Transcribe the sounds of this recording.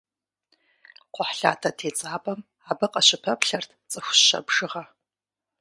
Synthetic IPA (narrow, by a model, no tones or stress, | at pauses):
qʷʊħɬa̰ːtʰɐtʰeːt͡sʼaːpʼɐm | aːbɨqʼɐɕɪpʰɐpʰɬɐrtʰt͡sʼɨxʷɕɐ̰bʐɨʁɐ